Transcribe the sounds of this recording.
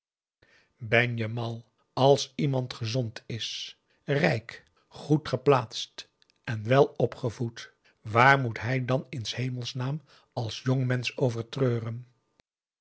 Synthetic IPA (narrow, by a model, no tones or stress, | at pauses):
bɛnjəmɑlˠ | ɑlˠsimɑntχəzɔntʰɪs | rɛjk | χutχəplaːtst | ʔɛnʋɛlˠɔpχəvut | ʋaːɹmutɦɛjdɑnɪnshejməlˠsnaːm | ɑlˠsjoŋmɛnsowvəɹtrøːrən